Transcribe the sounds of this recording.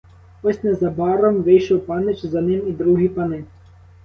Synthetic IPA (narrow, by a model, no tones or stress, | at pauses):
ɔsʲnɛzɐbɑɾɔmʋɪjʃɔwpɑnɪt͡ʃzɐnɪmid̪ɾuɦʲipɐnɪ